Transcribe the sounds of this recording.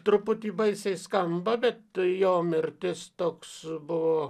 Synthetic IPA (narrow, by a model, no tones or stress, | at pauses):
t̪ɾʊpʊt̪ʲiːbɐɪsɐɪskɐmbɐbʲɛt̪joːmʲɪɾʲt̪ʲɪst̪oːksbʊʋoː